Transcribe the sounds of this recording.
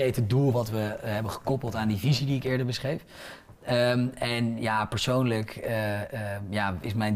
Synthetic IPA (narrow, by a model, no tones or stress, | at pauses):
ejtədulˠʋɑtʋəɦɛbəχə̥kɔpəlˠtaːndivizidiɪkɪːɹdəɹbəsχrejf | əmɛnjaːpəɹsownlək | jaːɪsmɛjn